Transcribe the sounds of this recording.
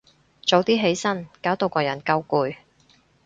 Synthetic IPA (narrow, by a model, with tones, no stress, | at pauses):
t͡so˨˧wt̪iː˥ɦe˨˥jsɐ˥nkaː˨˥wt̪o˨˧wkɔː˧jɐ˨˩nkɐ˧wkuː˨˧j